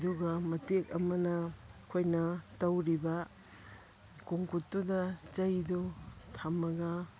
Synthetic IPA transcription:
duɡɐmɐtek̚ɐmɐnɐkʰojnɐtɐwɾibɐ | kuŋkutːudɐt͡ʃɐjdutʰɐmːɐɡɐ

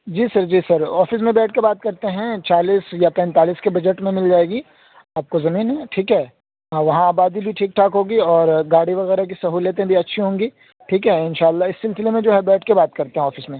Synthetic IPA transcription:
d͡ʒiːsɐɾd͡ʒiːsɐɾɔːfɪs̬mẽbɛːʈ̚ʰkebaːt̪̚kɐɾt̪eɦɛ̃t͡ʃaːliːsjapɛ̃ːnt̪aːliːskebɐd͡ʒəʈmẽmɪld͡ʒaːeːɡi | aːp̚kozɐmiːnɦɛʈʰiːkɦɛː | ʋɐɦãaːbaːd̪ibʱiʈʰiːk̚ʈʰaːkɦõːɡiɔːɾɡaːɽiʋɐɣɛːɾak̬isɐɦuːlət̪ẽbʱiɐtːʃʰiɦõːŋɡiː | ʈʰiːkɦɛɪnʃaːlːaɪsːɪlsɪlemẽd͡ʒoːɦɛ̃bɛːʈʰkebaːt̪̚kɐɾt̪ẽɦɛ̃ɔːfɪsmẽ

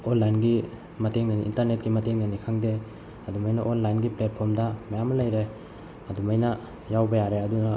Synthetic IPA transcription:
onlajnɡi | mɐteŋnɐnḭʔːntɐɾnet̚ɡimɐteŋnɐnikʰaŋde | ɐdumɐjnɐʔonlajnɡiplet̚pʰoɾmdɐmɐjamːɐlɐjɾej | ɐdumɐjnɐ | jawbɐjaɾeɐdunɐ

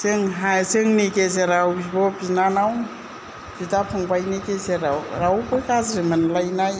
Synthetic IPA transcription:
sɯŋɦasɯŋnikes̬eɾawbɔbinanaw | bitapʰɔŋbajnikeseɾawɾawpɔjkazɾimɯnlajnaj

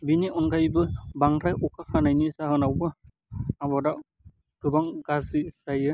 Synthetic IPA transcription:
biniʔɔnɡajbɯbaŋɾajʔukaxanajnisahɯnawbɯ | abɔdaʔ | ɡɯbaŋɡazisajɯ

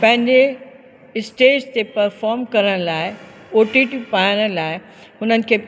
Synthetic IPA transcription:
pɐ̃ɦɪ̃ɲd͡ʑe | ɪsʈeːd͡ʑt̪epɐɾfɔːɾmkɐɾəɽ̃laːɪ | oːʈiʈipaːjɽ̃laːɪ | ɦʊnənɪ̆kʰeː

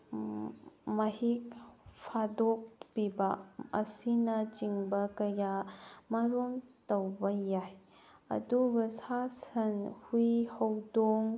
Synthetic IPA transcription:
mɐhik̚pʰadok̚pibɐɐ̰sinɐt͡ʃiŋbɐkɐjamɐɾomtɐwbɐjaj | ɐ̰duɡɐsasɐnhujhɐwdoŋ

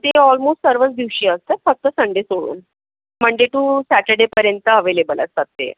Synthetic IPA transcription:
t̪eɔlmosʈsəɾʋət͡sd̪iʋɕiːəst̪əfək̚t̪əsəɳɖesoɭṵːn | m̤əɳd͡ʑeʈ̪uːsæʈəɖepəɾjənt̪əəʋelebələ̰st̪at̪ːḛ

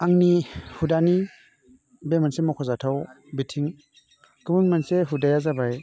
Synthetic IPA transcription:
aŋnihudani | bemansemɔkʰɔzatʰaw | bitʰiŋ | kɯmuŋmanseɦudajazabaj

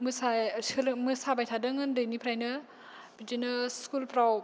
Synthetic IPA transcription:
mɯsasɯlmɯsabajtʰadɯŋɯndɯjnipʰɾajnɯ | bid͡ʒinɯskulpʰɾaw

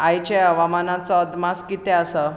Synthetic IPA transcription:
ajt͡ɕeəʋamanat͡sɔd̪maskit̪ɛəsə

